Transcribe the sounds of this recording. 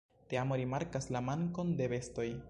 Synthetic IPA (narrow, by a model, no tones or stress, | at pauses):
teamo̞ɾimaɾkaslamaŋko̞nde̞βe̞sto̞j